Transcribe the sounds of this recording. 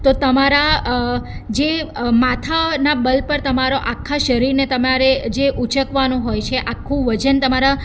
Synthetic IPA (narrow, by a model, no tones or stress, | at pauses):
t̪ot̪əmaɾa | d͡ʒemat̪ʰanabəlpəɾt̪əmaɾoʔakʰːaʃəɾiɾnet̪əmaɾed͡ʒeʔut͡ʃʰəkʋanũɦojt͡ʃʰeʔakʰːũʋəd͡ʒənt̪əmaɾa